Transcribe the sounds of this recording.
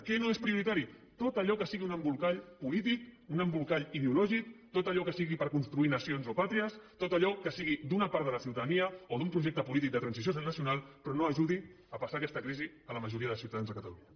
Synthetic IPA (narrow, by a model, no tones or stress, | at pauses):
kɛnoespɾiuɾit̪aɾi | t̪ot̪əʎɔkəsiɣiunəmbulˠkaʎpulit̪ikunəmbulˠkaʎiðeulɔʒik̚t̪ot̪əʎɔkəsiɣipəɾkunst̪ɾuinəsionzopat̪ɾiəst̪ot̪əʎɔkəsiɣid̪unəpaɾt̪ələsiwt̪aðəniəoðumpɾuʒɛk̚t̪əpulit̪̬ik̚d̪ət̪ɾənsis̬josnəsiunalˠpɾɔnoəʒuði | əpəsakɛst̪əkɾizi | ələməʒuɾiəðəlˠsiuwt̪aðanzðəkət̪əlṵɲə